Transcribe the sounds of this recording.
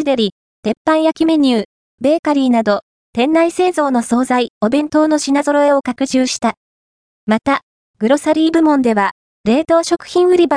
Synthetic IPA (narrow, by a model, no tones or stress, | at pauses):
id̪e̞ɾʲi | t̪e̞pːãɰ̃jakʲime̞ɲ̟ɨː | be̞ːkaɾʲiːnad̪o̞ | t̪ẽ̞nːaise̞ːzo̞ːno̞so̞ːzaio̞bẽ̞nt̪o̞ːno̞ɕinazo̞ɾo̞e̞o̞kakɯ̟ʑɨːɕi̥t̪a | mat̪a | ɡ̥ɯ̟ɾo̞saɾʲiːbɯ̟mõ̞nd̪e̞βa | ɾe̞ːt̪o̞ːɕo̞kɯ̟̥çĩɰ̃ɯ̟ɾʲiba